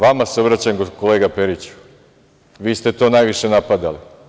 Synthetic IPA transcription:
ʋamaseobɾat͡ɕajemokoleːɡape̞ɾit͡ɕu̥ | ʋiːst̪e̞t̪o̞ːnajʋiʃe̞napad̪ali

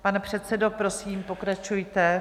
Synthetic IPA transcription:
panɛpr̝̥ɛt̪sɛdo̞pɾo̞siːmpo̞kɾat͡ʃujt̪ɛ

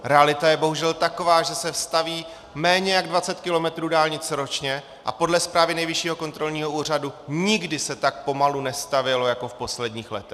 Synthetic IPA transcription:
ɾɛalɪt̪ajɛbo̞ɦuʒɛlt̪ako̞vaːʒɛsɛfst̪aviː | mɛːɲɛjaɡdvat͡sɛt̪kɪlo̞mɛt̪ɾuːdaːlɲɪt͡sɾo̞t͡ʃɲɛ | ʔa̰po̞dlɛspɾaːvɪnɛjvɪʃiːɦo̞ko̞nt̪ɾo̞lɲiːɦo̞uːr̝aduɲɪɡdɪsɛt̪ak̚po̞malunɛst̪avjɛlo̞jako̞fpo̞slɛdɲiːxlɛt̪ɛ

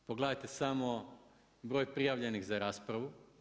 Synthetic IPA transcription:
poɡled̪ajt̪esamo | bɾoːjpɾijaʋʎe̞nixzaɾaːspɾaʋu

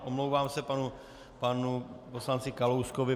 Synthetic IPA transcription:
ʔomlowvaːmsɛpanu | panuposlant͡sɪkalowskovɪ

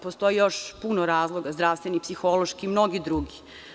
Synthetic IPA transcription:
post̪o̞jijoʃpunoɾaːzlˠoɡazd̪ɾaʋst̪ʋenipsixoloʃkiːmno̞ɡid̪ɾuɡi

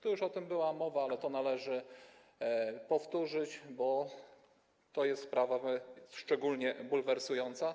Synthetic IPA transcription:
t̪ɔjuʂɔt̪ɘmbɘwamɔvaalɛt̪ɔnalɛʐɘ | pɔft̪uʐɘt͡ɕbɔ | t̪ɔjɛst̪spɾavaʂt͡ʂɛɡulɲɛbulvɛɾsujɔnt̪sa

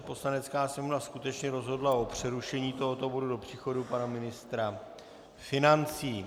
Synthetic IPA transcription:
po̞slanɛt͡skaːsɲɛmonaskut̪ɛt͡ʃɲɛɾo̞zɦo̞dlaʔo̞pr̝̥ɛɾuʃɛɲiːt̪o̞ɦo̞t̪o̞bo̞dudo̞pr̥iːxo̞dupanamɪnɪst̪ɾa | fɪnant͡siː

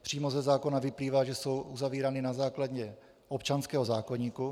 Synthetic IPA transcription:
pr̝̥iːmo̞zɛzaːko̞navɪpliːvaːʒɛso̞wʔuzaviːɾanɪnazaːkladɲɛ | ʔopt͡ʃanskɛːɦo̞zaːkoɲiːku

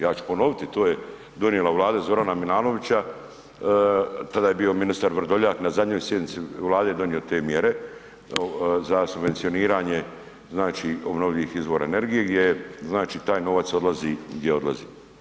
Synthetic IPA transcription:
jaːt͡ʃu̥pono̞ʋit̪it̪oːje | d̪o̞njelaʋlˠaːd̪azo̞ɾanamilˠaːno̞ʋit͡ɕa | t̪ad̪aːje̞bio̞minist̪aɾʋr̩d̪oʎaknazad̪ɲoːjsje̞d̪nit̪siʋlˠaːd̪ejed̪o̞njio̞t̪e̞ːmjeɾe̞ | zasubʋe̞nt̪sioniːɾaːɲe̞ | znaːt͡ʃio̞bno̞ʋʎilixizʋoːɾa̰ene̞ɾɡije̞ɡd̪jeznaːt͡ʃit̪aːjno̞ʋat̪so̞d̪lˠaziɡd̪jeo̞d̪lˠa̰ziː

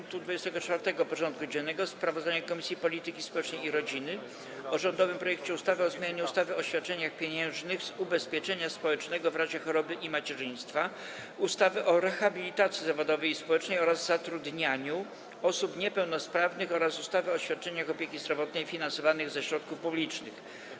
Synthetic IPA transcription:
ŋk̚t̪ud̪vud͡ʑɛst̪ɛɡɔt͡ʂfaɾt̪ɛɡɔpɔʐɔnt̪̚kud͡ʑɛnːɛɡɔspɾavɔzd̪aɲakɔmʲisʲjipɔlʲit̪ɘkʲispɔwɛt͡ʂnɛjiɾɔd͡ʑinɘ | ɔʐɔnd̪ɔvɘmpɾɔjɛk̚t͡ɕɛust̪avɛɔzmʲaɲaɲuust̪avɛɔɕfʲat̪̚t͡ʂɛɲaxpʲjeɲɛ̃w̃ʐnɘɣzubɛspʲjɛt͡ʂɛɲaspɔwɛt͡ʂnɛɡɔvɾaʑɛxɔɾɔbɘʔimat͡ɕɛʐɘ̃j̃st̪fa | ust̪avɛʔɔɾɛxabʲilʲit̪at̪sʲjizavɔd̪ɔvɛjispɔwɛt͡ʂnɛjɔɾazzat̪ɾud̪ɲaɲu | ɔsupɲɛpɛwnɔspɾavnɘxɔɾasust̪avɛɔɕfʲat̪̚t͡ʂɛɲaxɔpʲjekʲizd̪ɾɔvɔt̪nɛjfʲinansɔvanɘɣzɛɕɾɔt̪̚kufpublʲit͡ʂnɘx

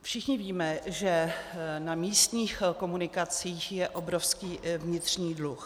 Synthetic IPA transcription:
fʃɪxɲɪviːmɛʒɛnamiːst̪ɲiːxko̞munɪkat͡siːxjɛʔo̞bɾo̞fskiːvɲɪt̪r̝̥ɲiːdlux

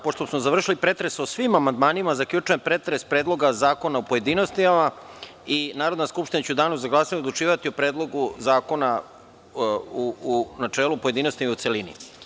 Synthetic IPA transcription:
poʂt̪osmozaʋr̩ʃilipɾe̞t̪ɾe̞sosʋimamand̪maːnimazakʎʲut͡ʃujempɾe̞t̪ɾespɾe̞ːd̪lˠo̞ɡazaːko̞naopo̞je̞d̪ino̞st̪ima | inaːɾod̪naskupʃt̪inat͡ɕɛud̪aːnuzaɡlˠaːsaɲud̪lˠut͡ʃiːʋat̪iopɾe̞ːd̪lˠo̞ɡuzaːko̞na | unat͡ʃeːlˠupoed̪ino̞st̪imaut̪selinḭ

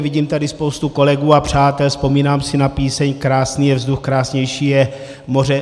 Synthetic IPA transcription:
viɟiːmt̪adɪspo̞wst̪uko̞lɛɡuːapr̝̥aːt̪ɛlspo̞miːnaːmsɪnapiːsɛɲkɾaːsniːjɛvzd̪uxkɾaːsɲɛjʃiːjɛ | mo̞rɛ

